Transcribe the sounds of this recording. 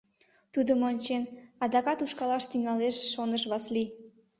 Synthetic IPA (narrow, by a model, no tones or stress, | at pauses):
t̪ud̪əmonʲt͡ɕenɑd̪ɑkɑt̪uʃkɑlɑʃt̪iŋɑleʃːonəʃβɑsli